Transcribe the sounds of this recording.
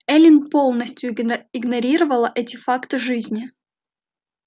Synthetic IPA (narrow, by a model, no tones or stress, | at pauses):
ɛlʲɪnpo̞lˠnəsʲtʲjʊɪɡnɐɾʲiɾəvəlˠəʔɛtʲɪfakt̪ɨʐɨzʲnʲɪ